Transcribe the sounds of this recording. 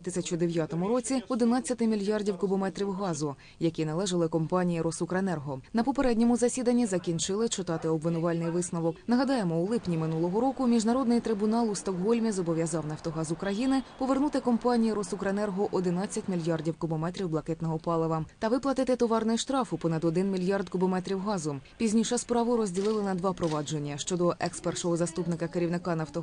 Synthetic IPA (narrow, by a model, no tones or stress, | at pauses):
t̪ɪsʲɐt͡ʃʊd̪eʋʲjɑt̪ɔmʊɾɔt͡sʲiɔd̪ɪnɑt͡sʲːɐt̪ɪmʲilʲjɑrdʲiwkʊbɔmɛt̪ɾʲiwɦɑzʊ | jɐkʲinɐlˠɛʒɐlˠɪkɔmpɑnʲijiɾɔsukɾɐenɛrɦɔnɐpɔpeɾɛdʲnʲɔmʊzɐsʲid̪ɐnʲːizɐkʲinʲt͡ʃɪlˠɪt͡ʃɪt̪ɑt̪ɪɔbʋɪnʊʋɑlʲnɪjʋɪsnɔʋɔknɐɦɐd̪ɑjemɔulˠɪpnʲimɪnulˠɔɦɔɾɔkʊmʲiʒnɐɾɔd̪nɪjt̪ɾɪbʊnɑlˠʊst̪ɔkɦɔlʲmʲizɔbɔʋʲjɐzɑwnɐwt̪ɔɦɑzʊkɾɐjinɪpɔʋernut̪ɪkɔmpɑnʲijiɾɔsʊkɾenɛrɦʊʔɔd̪ɪnɑt͡sʲːɐtʲmʲilʲjɑrdʲiwkʊbɔmɛt̪ʲɾʲiwblˠɐkɛt̪nɔɦɔpɑlˠɪʋɐmt̪ɐʋɪplˠɐt̪ɪt̪ɪt̪ɔʋɑrnɛʃt̪ɾɑfʊpɔnɐd̪ɔd̪ɪnmʲilʲjɑrd̪kʊbɔmɛt̪ɾʲiwɦɑzʊpʲizʲnʲiʃɐspɾɑʋʊɾɔzʲdʲilˠɪlˠɪnɐd̪ʋɑpɾɔʋɑd͡ʒe̞nʲːɐʃt͡ʃɔd̪ɔʔɛkspɛrʃɔɦɔzɐst̪upnɪkɐkeɾʲiwnɪkɑnɐwt̪ɔ